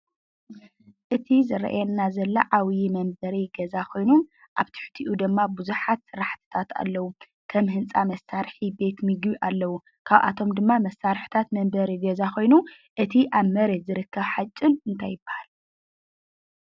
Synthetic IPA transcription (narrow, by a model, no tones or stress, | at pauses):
ʔɨt̪ʰizɨɾɐ̰ʔjɛnːazɐlːɐʕawmɐmbɐɾiɡɐzakʰo̞jnu | ʔaβt̪ʰɨ̥ħt̪ʰiʔud̪ɨmːabuzuħat̪sɨɾaħt̪ʰɨ̥t̪ʰat̪ʰa̰lːɐwu | kʰɐmhɨnt͡sʼamɐsaɾħibe̞t̪mɨɡuʔalːɐwu | kʰaβʔa̰t̪ʰo̞md̪ɨmːamɐsːaɾħt̪ʰat̪mɐmbɐɾiɡɐzakʰo̞jnu | ʔɨt̪ʰiʔaβmɐɾet̪zɨɾɨkːɐβħat͡ʃʼːɪnɨnt̪ʰajːɪbːahal